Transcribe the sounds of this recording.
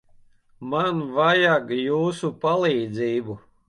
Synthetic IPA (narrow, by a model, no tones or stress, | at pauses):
manvajaɡjuːsupalˠiːd̪ziːbu